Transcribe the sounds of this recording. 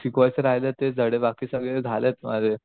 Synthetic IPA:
sikʋajseɾaɦjlet̪ed͡zʱəɽebakiːsəɡɭed͡zʱalet̪ma̰d͡zʱe

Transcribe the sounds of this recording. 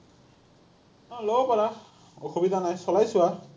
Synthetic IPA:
lɔbɔpɔɹa | oxubid̪ʱanajsɔlajsʊwa

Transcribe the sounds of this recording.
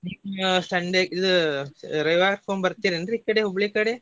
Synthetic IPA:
nimsɐɳɖeid̪u | ɾɐjʋaːɾpʰoːmbɐɾt̪iːɾiɐnd̪ɾikːɐɽeɦubɭikɐɽe

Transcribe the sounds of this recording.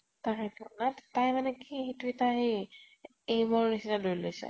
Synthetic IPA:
taɹɛtʰɔnattajmanɛkiɦituitaɦi | ejmɔɹnisitalojlojsɛ̰

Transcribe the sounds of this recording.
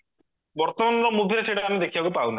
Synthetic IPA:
bɔɾt̪ɔmanlɔmubʱiɾeseʈaːmed̪ekʰibakupaũnt̪a

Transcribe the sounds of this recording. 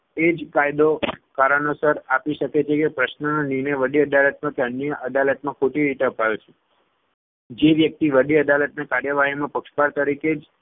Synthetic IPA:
ed͡ʒkajd̪okaɾənosəɾapiʃəket͡ʃʰekepɾəʃnənoninəjʋəɖiəd̪alət̪̚mãkeənjəʔəd̪alət̪mãkʰoʈiɾit̪eəpajot͡ʃʰe̥ | d͡ʒeʋjək̚t̪iʋəɖiəd̪alət̪nakaɾjəʋaɦimãpəkʃpaɾt̪əɾiked͡ʒ

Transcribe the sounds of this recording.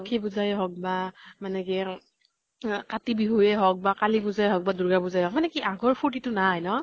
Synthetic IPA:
kʰibuzajɦɔk̚bamanɛki | katibiɦujɛɦɔk̚bakalibuzajɦɔk̚baduɹɡabuzajɦɔk̚manɛkiʔaɡɔɹpʰutitʊnajnɔ

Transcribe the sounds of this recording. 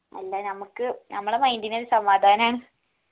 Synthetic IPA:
ɐ̰lːanɐmukːɨnɐmːɐɭɐmɐjnd̪ineoɾesɐmʋaːd̪ʱaːnɐmaːɳɨ

